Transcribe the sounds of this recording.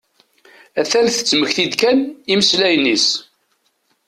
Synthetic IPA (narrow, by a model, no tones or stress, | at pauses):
æθælθə̥t͡sːməçθid̪kæniməslæjnis